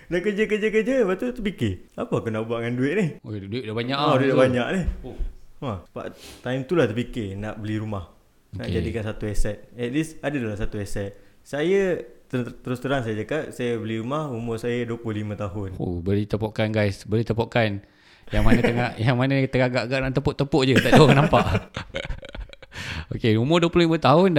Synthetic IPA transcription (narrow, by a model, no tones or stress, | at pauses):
naʔkəd͡ʒəkəd͡ʒəkəd͡ʒəpaʔt̪ut̪əpikɪapəakunaʔbaʔŋanduɪʔ̪̚nɪhoduiʔ̚dabaɲaʔduabaɲaʔnɪhoaəba̰ʔt̪aimt̪ulaht̪ərpikɪnaʔbəliɾumah | onaʔd͡ʒadikansat̪uɛsɛt̪̚ɛt̪̚disadədalasat̪uɛsɛt̪̚ | sajət̪t̪əɾust̪əɾaŋsajəd͡ʒakat̚sajəbəliɾumahumʊrsajəduəpuhlimə̃t̪aɦʊno̰bəlit̪əpoʔkanɡajsbəlit̪əpoʔkan | jaŋmanət̪əŋaʔjaŋmanət̪əɡaɡaʔɡaʔnaʔt̪əpʊʔt̪ːəpʊʔd͡ʒət̪aʔduokanampaʔ | okeumʊduəplulimə̃t̪aɦʊn